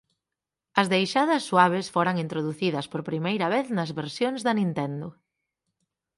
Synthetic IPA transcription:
ɐzðejʃaðɐsːwaβ̞ɪsfoɾɐŋint̪ɾoðuθiðɐspoɾpɾimejɾɐβeθnɐzβeɾsjoŋzðɐnĩnt̪ɛnd̪ʊ

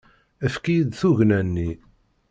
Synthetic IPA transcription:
æfkijid̪θuʝnænːi

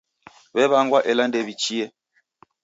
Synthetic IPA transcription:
βɛβaŋɡwaʔɛlandɛβit͡ʃiɛ

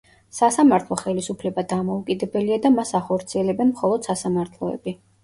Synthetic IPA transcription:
sasamaɾt̪ʰlˠɔχɛlisupʰlɛbad̪amɔukʼid̪ɛbɛliad̪amasaχɔɾt̪sʰiɛlɛbɛnmχɔlˠɔd̪̥sasamaɾt̪ʰlˠɔɛ̰bi

